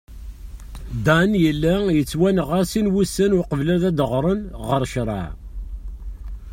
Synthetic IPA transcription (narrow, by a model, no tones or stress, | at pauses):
d̪ænjəlːæjət͡sːwænəʁaɾsinwusːənʊqəvlæðæd̪əʁɾˤənʁəɾʃɾˤɑ̰ʕ